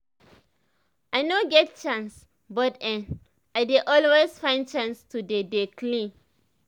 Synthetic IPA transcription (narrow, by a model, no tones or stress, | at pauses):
ʔajnoɡɛt̚t͡ʃãns | bɔtɛ̃n | ʔajdeʔɔlwesfãɪ̃nt͡ʃãnstudedeklĩ